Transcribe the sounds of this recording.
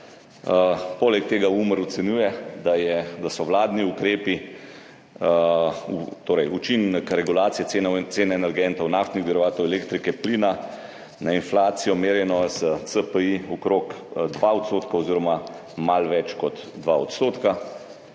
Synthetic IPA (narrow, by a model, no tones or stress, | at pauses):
polɛk̚t̪eːɡauməɾɔt̪sɛnjuːjɛd̪ajɛd̪asɔʋlaːd̪niukɾeːpi | ut̪oːɾɛjut͡ʃinkɾɛɡulaːt̪sijɛeseːnɛɛnɛɾɡɛnt̪ɔwnaft̪niɣɡd̪iɾɔʋaːt̪ɔwɛleːkt̪ɾikɛplina | nainflaːt̪sijɔmeːɾjɛnɔzət̪səpəiɔkɾokd̪ʋaɔt̪st̪oːt̪kaɔziːɾɔma | malʋɛt͡ʃkɔt̪d̪ʋaɔt̪st̪oːt̪ka